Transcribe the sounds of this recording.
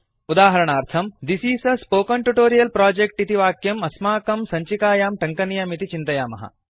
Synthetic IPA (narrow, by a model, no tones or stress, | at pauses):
ud̪aːɦɐɾɐɳaːɾt̪ʰɐmd̪isiːsɐspoːkɐɳʈuʈoːɾijɐlpɾaːd͡ʒek̚ʈit̪iʋaːkjɐmɐsmaːkɐmsɐɲt͡ʃikaːjaːmʈɐŋkɐnijɐmit̪it͡ʃint̪ɐjaːmɐ̰ɦɐ̰